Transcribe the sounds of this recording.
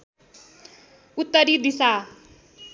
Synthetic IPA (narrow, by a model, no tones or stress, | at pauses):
ut̪ːʌɾid̪isa